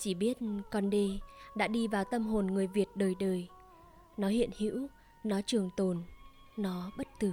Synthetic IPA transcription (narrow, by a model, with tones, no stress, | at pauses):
t͡ɕi˧˩ɓi˦˥ət̚kɔ˧nɗe˧ɗa̰ː˧˥ɗi˧vaː˨˩wt̪ə˧mɦo˨˩nŋɨ˨˩əjvi˨˩ət̚ɗəː˨˩jɗəː˨˩j | nɔ˨˦ɦḭ˧˨ənhḭ˧˥w | nɔ˨˦t͡ɕɨ˨˩əŋt̪o˨˩n | nɔ˨˦ɓə˦˥t̚t̪ɨ˨˩